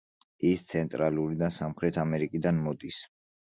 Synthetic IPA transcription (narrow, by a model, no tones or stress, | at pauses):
ist̪sʰɛnt̪ʼɾaluɾid̪asamχɾɛt̪ʰamɛɾikʼid̪anmɔd̪is